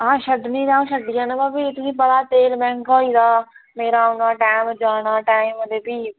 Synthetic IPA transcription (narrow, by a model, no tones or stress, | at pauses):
ɦãːʃəd̪niːɾãːõːʃəd̪ijãːnãbaːbiːɪt̪nĩːpəɽaːt̪eːlmɛ̃ːŋkoːiːd̪aːmeːɾaːʊnaːʈaːɪmd͡ʒaːnaːʈaːɪmd̪eːpiː